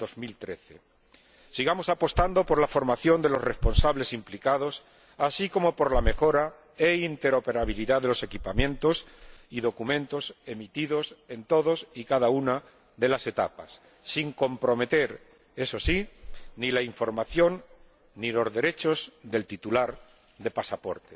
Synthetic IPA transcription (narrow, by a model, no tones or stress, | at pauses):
d̪̥o̞zmilt̪ɾe̞θe̞̰ | siɣ̞amo̞sapo̞st̪and̪o̞po̞ɾlafo̞ɾmaθjo̞nd̪e̞lo̞sre̞spo̞nsaβle̞simplikað̞o̞s | asiko̞mo̞po̞ɾlame̞xo̞ɾa | eint̪e̞ɾo̞pe̞ɾaβiliðaðe̞lo̞se̞kipamjẽ̞nt̪o̞siðo̞kumẽ̞nt̪o̞se̞mit̪iðo̞se̞nt̪o̞ðo̞sikaðauna | ðe̞lase̞t̪apa̰sː | iŋko̞mpɾo̞me̞t̪e̞ɾ | e̞so̞sinilaiɱfo̞ɾmaθjo̞nː | ilo̞zðe̞ɾe̞t͡ʃo̞zðe̞lt̪it̪ulaɾ | ðe̞pasapo̞̰ɾt̪e